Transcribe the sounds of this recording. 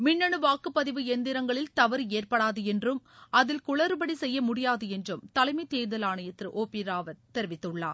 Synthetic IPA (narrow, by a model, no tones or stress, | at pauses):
mɪnːɐɳɯʋaːkːɯpːɐðɪʋɯɛnd̪ɪɾɐŋɡɐɭɪlt̪ɐʋɐɾeːrpɐɽaːðɯɛndrɯmɐðɪlkʊɭɐɾɯbɐɽisɛjːɐmʊɽɪjaːðɯɛndrɯmt̪ɐlɐɪmɐɪt̪ːeːðɐlaːɳɐjɐt̪ːɾɯʔoːpiːɾaːʋɐɾt̪ɛɾɪʋɪt̪ːɯɭːa̰ː